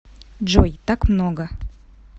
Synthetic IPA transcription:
d͡ʒojt̪akmnoɡə

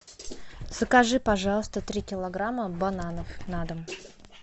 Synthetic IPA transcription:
z̥əkɐʐɨpɐʐɑlˠəst̪ət̪ɾʲikʲɪlˠɐɡɾaməbɐnanəfnad̪əm

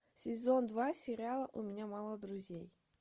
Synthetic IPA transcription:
sʲɪzond̪vasʲɪɾʲɪalˠəʔʊmʲɪnʲamalˠəd̪ɾʊzʲej

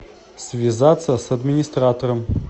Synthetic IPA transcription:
svʲizat̪səsɐd̪mʲinʲist̪rat̪ʰoɾəm

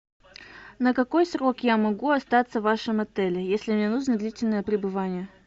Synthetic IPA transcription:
nəkɐko̞jsɾo̞kjamɐɡuɐst̪at̪səvːaʂɨmɐt̪ɛlʲɪjesʲlʲɪmnʲenuʐnəd̪lʲitʲɪlʲnəjəpɾʲɪbɨvanʲɪjə

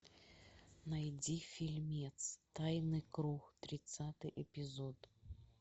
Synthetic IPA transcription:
najd͡zʲifʲilʲmʲɛt̪st̪ajnɨkɾuxt̪ɾʲɪt̪sat̪ɨjʔɛpʲizɔt̪

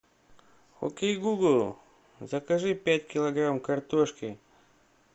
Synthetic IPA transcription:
o̰kʲejɡuɡlˠ | zəkɐʐɨpʲætʲkʲɪlˠɐɡɾamkɐrt̪oʂkʲɪ

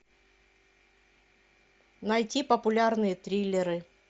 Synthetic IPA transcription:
nɐjtʲipəpʊlʲarnɨjət̪ɾʲilʲːɪɾɨ

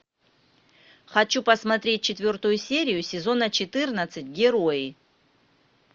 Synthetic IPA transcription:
χɐt͡ɕupəsmɐt̪ɾʲet̚ʲt͡ɕɪt̪vʲo̞rt̪ʊjʊsʲeɾʲɪjʊsʲɪzo̞nət͡ɕɪt̪ɨrnət̪sɨt̚ʲɡʲɪɾojɪ

